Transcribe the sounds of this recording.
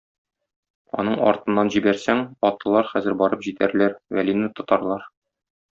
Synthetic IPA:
ɒ̰nɤɴɒ̰ɾt̪ɤ̆nːɑnʑibæɾsæŋɒt̪ɤ̆lˠɑɾχæzɘɾbɒɾɤpʑit̪æɾlæɾwælinɘt̪ɒ̆t̪ɑɾlˠɑɾ

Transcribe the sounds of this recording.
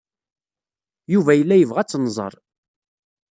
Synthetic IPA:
juvæjəlːæjəvʁæt͡sːnːzˤə̰ɾˤ

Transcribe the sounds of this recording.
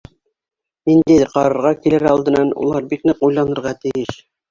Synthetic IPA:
nind̪æjqɑɾɤ̆ɾʁɑkilɘɾɑlˠd̪ɤ̆nɑnṵlˠɑɾbiknɘqujlˠɑnɤ̆ɾʁɑt̪ɘ̆jɘʃ

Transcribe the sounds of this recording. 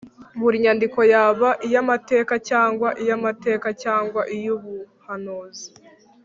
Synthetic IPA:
mbuɾiɲandiko̞jaːβaʔijamate̞ːkacaːŋɡwaʔijamate̞ːkacaːŋɡwaʔijuβu | hanoːzi̥

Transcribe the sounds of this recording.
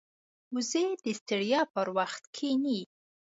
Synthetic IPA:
uzed̪̥əst̪ɪɽjɑpəɾwaxt̪kʰeni

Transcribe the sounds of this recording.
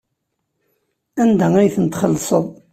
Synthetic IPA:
ænd̪ææjθənt̪χəlːsˤəðˤ

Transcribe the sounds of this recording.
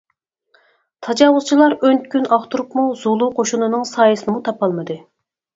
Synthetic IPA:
t̪ʰɑd͡ʒɑwʊz̥t͡ʃʰilˠɑɾønt̪̚kʲynɑχt̪uɾupmuzolˠuqʰoʃunɨnɨŋsɑːjɨsɨnɨmut̪ʰɑpʰɑlˠmɨd̪ɨ

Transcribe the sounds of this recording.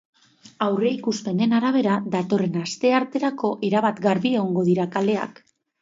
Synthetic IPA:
awre̞ikuspe̞ne̞naɾaβ̞e̞ɾad̪at̪o̞re̞nast̪e̞aɾt̪e̞ɾako̞ʔeɾaβat̪ɡaɾβie̞ɣoŋɡo̞ð̞iɾakale̞a̰k

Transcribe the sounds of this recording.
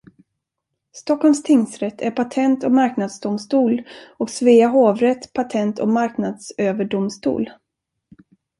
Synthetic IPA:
st̪ɔkʰːɔlmst̪ʰɪŋsɾɛt̪ʰːæɾpʰat̪ʰɛnt̪ɔkmaɾknad̪sd̪ʊmst̪uːlɔksveːaɦoːvɾɛt̪ːpʰat̪ʰɛnt̪ʰɔkmaɾknad̪søːvəɖʊmst̪ṵːl

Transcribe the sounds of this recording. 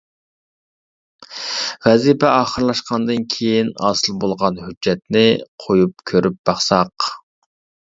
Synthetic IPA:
vɛzipʰɛɑːχəɾlˠɑʃqɑnd̪ɨnkʲʰejinɑ̰ːsɨlˠbolˠʁɑnhyd͡ʒːɛt̪nɪqʰojup̚kʲʰøɾyp̚b̥ɑχsɑq

